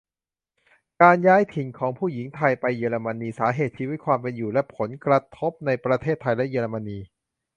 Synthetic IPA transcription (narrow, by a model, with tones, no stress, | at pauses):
kaː˧njaː˦˥jt̪ʰi˨˩ŋkʰɔː˩˦ŋpʰuː˥˩ji˩˦ŋt̪ʰa˧jpa˧jːɤː˧ɾa˧ma˧niː˧saː˩˦ɦeː˨˩t̪̚t͡ɕʰiː˧wi˦˥t̪̚kʰwaː˧mpe˧njuː˨˩lɛ˦˥ʔpʰo˩˦nkɾa˧t̪ʰo˦˥p̚na˧jpɾa˧t̪ʰeː˥˩t̪ʰːa˧jlɛ˦˥jəː˧ɾa˧ma˧niː˧